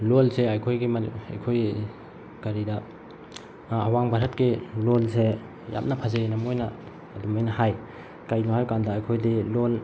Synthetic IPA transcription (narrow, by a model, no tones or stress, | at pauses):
lolseajkʰojɡima̰jkʰoj | kɐɾidɐ | waŋbaɾɦɐt̚kilolse | ja̰p̚nɐpʰɐzenɐmojnɐ | ɐdumajnɐɦaj | kajnuhawkandɐːjkʰojdilol